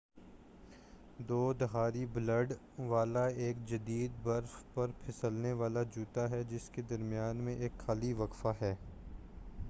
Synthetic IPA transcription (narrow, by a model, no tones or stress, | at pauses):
d̪oːd̪ɐɦaːɾibləɖ | ʋaːlaeːkd͡ʒɐd̪iːd̪bɐɾfpɐɾpʰɪsəlneʋaːlad͡ʒuːt̪aɦɛd͡ʒɪsked̪ɐɾmijaːnmẽʔeːkxaliʋɐkfaɦɛː